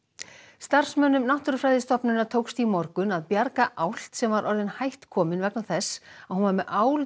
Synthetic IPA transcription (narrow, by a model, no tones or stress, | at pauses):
st̪ar̥smœːnʏmnaht̪ʏɾfɾaːjðɪst̪ɔpnʏnːat̪ʰoːwkst̪imɔɾkʏnaðpjaɾkaʔawl̥t̪sɛmvaɾʔɔɾðɪnhajht̪kʰɔːmɪnvɛknawθɛsːahunvaɾmɛʔaːwl